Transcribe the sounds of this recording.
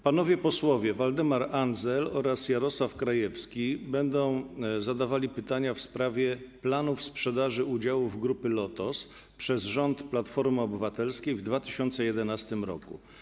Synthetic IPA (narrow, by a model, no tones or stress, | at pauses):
panɔvʲjɛpɔswɔvʲjɛvald̪ɛmaɾanzɛlɔɾasjaɾɔswafkɾajɛfskʲibɛnd̪ɔ̃w̃zad̪avalʲipɘt̪aɲafspɾavʲjɛplanufspʂɛd̪aʐɘud͡ʑawuvɡɾupɘlɔt̪ɔs | pʂɛzʐɔnt̪plat̪fɔɾmɘɔbɘvat̪ɛlskʲejvd̪vat̪ɘɕɔnt̪sɛjɛd̪ɛnast̪ɘmɾɔ̰kṵ